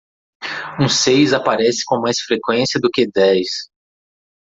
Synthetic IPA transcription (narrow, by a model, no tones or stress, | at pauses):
ũsejzapaɾɛsɪ̥kõmajsfɾekwẽsiɐd̪ʊkɪd̪ɛjs